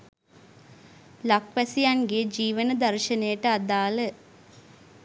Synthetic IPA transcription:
lakʋæsijanɡed͡ʒiːʋənəd̪ɐrʃənejəʈəad̪aːlə

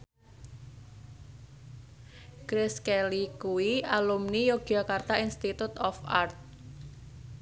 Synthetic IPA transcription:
kɾɪskelikuwiʔalumnijoɡ̥akart̪ainst̪it̪ut̪ɔfa̰rt̪̚

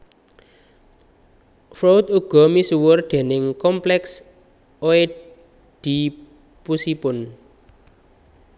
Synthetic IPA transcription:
fɾowt̪̚uɡ̥ɔ̤misuwʊrd̪̥e̤nɪŋkɔmplɛks | oe | ɖ̪̥i̤ | pusipʊn

